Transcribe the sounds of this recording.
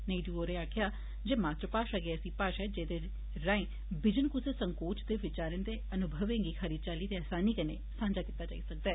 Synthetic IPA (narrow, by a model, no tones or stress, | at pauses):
nəiɖuːoːɾeːaːkʰjaː | d͡ʒeːmaːt̪ɾpaːʃaɡeːsiːpaːʃɛːd͡ʒeːd̪eː | ɾãːẽː | bɪd͡ʒənkʊseːsəŋkoːt͡ʃd̪eːʋɪt͡ʃaːɾənd̪eːənʊbʱəʋẽːŋɡiːkʰəɾiːd̪t͡ʃaːliːt̪eaːsaːniːkəneːsãːnd͡ʒaːkit̪aːd͡ʒa̰ːḭːsək̚d̪ɛː